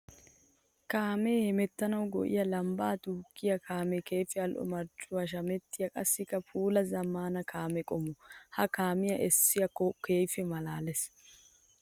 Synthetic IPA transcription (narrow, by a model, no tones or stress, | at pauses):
kaːmɛːhɛmɛt̪ːɐnɐwɡɔ̰ʔɪ̰jɐlɐmbaːt̪uːkːɪjɐkʰaːmɛke̞ːfɛɐlʔɔ̰mɐɾt͡ʃʼːʊwaʃ̬ɐmɛt̪ːɪjɐkʼɐsːɪkːɐpʰuːlɐzɐmːaːnɐkʰaːmɛkʼɔmɔhɐkaːmɪjɐʔɛsːɪjɐkːɔke̞ːfɛmɐlaːlɛs